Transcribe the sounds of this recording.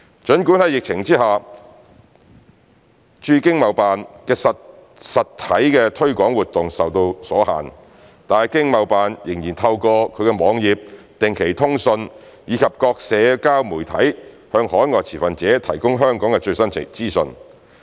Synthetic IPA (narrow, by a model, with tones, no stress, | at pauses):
t͡ʃɵ˨˥nkuː˨˥nhɐ˨˧jɪ˨k̚t͡sʰɪ˨˩ŋt͡siː˥haː˨ | t͡ʃyː˧kɪ˥ŋmɐ˨wpaː˨nkɛː˧sɐ˨ | sɐ˨tt̪ʰɐ˨˥jkɛː˧t̪ʰɵ˥ɥkʷɔː˨˥ŋwuː˨˩t̚t̪ːʊ˨ŋsɐ˨wt̪o˧wsɔː˨˥ɦa̰ː˨˩n | t̪aː˨jkɪ˥ŋmɐ˨wpaː˨njɪ˨˩ŋjiː˨˩nt̪ʰɐ˧wkɔː˧kʰɵ˨˧ɥkɛ˧mɔː˨˧ŋjiː˨p̚ | t̪ɪ˨ŋkʰe˨˩jt̪ʰʊ˥ŋsɵ˧n | jiː˨˧kʰɐ˨p̚kɔː˧k̚sɛː˨˧kaː˥wmuː˨˩jt̪ʰɐ˨˥j | hœː˧ŋhɔː˨˥jŋɔː˨˧j̚t͡sʰiː˨˩fɐ˨nt͡sɛː˨˥t̪ʰɐ˨˩jkʊ˥ŋɦœː˥ŋkɔː˨˥ŋkɛ˧t͡ʃɵ˧ɥsɐ˥n˨t͡siː˥sɵ˧n